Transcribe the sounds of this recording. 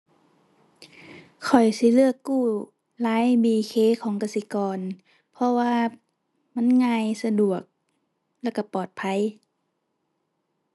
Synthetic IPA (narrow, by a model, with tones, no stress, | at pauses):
kʰɔ˨˩jsi˧˦lɯ˧˩əkːuː˧˩ | laː˨˦jbiː˧˩kʰeː˧˥˨kʰɔː˨˦ŋka˧˩si˧˦kɔː˨˩n | pʰɔ˧waː˧ | ma˧˥˨nŋaː˧jsa˧du˨˩ək̚ | lɛ˧˩˨ka˧˩pɔː˨˩t̪̚pʰa˧˥˨j